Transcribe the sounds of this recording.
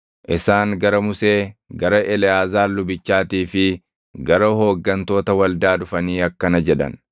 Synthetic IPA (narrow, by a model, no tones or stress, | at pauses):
ʔɪsaːŋɡɐɾɐmʊse̞ːɡɐɾɐʔɛlɛjaːzaːlːʊbɪt͡ʃːaːt̪iːfɪ | ɡɐɾɐɦo̞ːɡːɐnt̪o̞ːt̪ɐwɐld̪aːᶑʊfɐniːɐkːɐnɐd͡ʒɛᶑɐ̰n